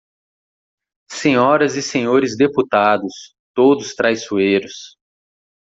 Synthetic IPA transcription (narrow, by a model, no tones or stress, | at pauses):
sẽɲɔɾɐzɪsẽɲoɾɪzd̪eput̪ad̪ʊs | t̪od̪ʊst̪ɾajsuejɾʊs